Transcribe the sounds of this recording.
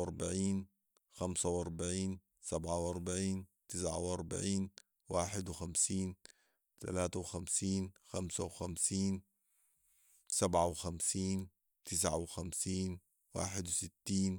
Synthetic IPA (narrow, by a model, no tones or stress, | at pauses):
ɑɾˤbaʕiːn | xamsawʔɑɾˤbaʕiːn | sabʕawʔɑɾˤbaʕiːnt̪ɪsʕa̰wʔɑɾˤba̰ʕiːn | waːħɪd̪wɪxamsiːn | t̪alaːt̪awxamsiːnxamsawxamsiːn | sabʕawɪxamsiːn | t̪ɪs̬ʕawɪxamsiːn | wa̰ːħɪd̪wsɪt̪ːiːn